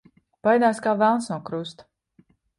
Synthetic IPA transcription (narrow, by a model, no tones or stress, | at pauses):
pajd̪aːskaːvælˠnsnuɔkɾust̪